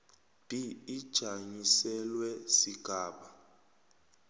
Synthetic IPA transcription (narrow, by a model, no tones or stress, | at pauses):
b̥ʱiid̥ʒ̥ʱaɲisɛlwɛsiɡ̥ʱaːɓa